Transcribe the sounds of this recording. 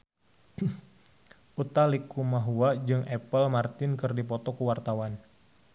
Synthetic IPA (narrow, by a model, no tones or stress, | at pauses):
ʔut̪alikumaɦuad͡ʒɨŋʔɛpəlmart̪ɪnkɨrdipɔt̪ɔkuwart̪awan